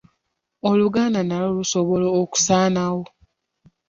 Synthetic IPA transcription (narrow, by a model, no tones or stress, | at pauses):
oluɡaːndanalolusoβo̞loːku̥saːnawo